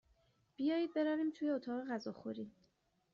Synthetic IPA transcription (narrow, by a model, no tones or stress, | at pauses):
b̥ijɒːjiːd̪̚be̞ɾaːviːmt̪ʰujeot̪ʰɒːɣe̞ɣæzɒːxoɾiː